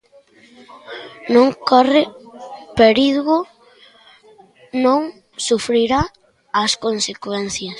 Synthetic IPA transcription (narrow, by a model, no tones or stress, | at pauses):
nõŋkɔrɪpeɾiðɣʊ | nõŋ | sufɾiɾa | ɐskonsekwɛnθjɐs